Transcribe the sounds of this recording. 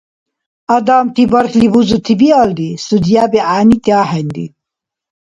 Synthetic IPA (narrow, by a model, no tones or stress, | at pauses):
ɐd̪aːmt̪ibɐɾkʰlibuzut̪ʰibiald̪isud̪jaːbiaːnit̪jaːhɐnd̪ḭ